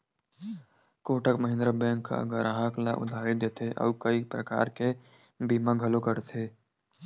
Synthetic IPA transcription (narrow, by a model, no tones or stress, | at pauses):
koːʈəkməɦɪ̃nd̪ɾəbɛ̃ːŋkːa̰ɡəɾɦaklaʔʊ̰d̪ʱaːɾid̪eːt̪ʰeʔɔ̰ːʋkəipɾəka̰ːɾke | biːmãɡʱɐlokəɾt̪ʰeː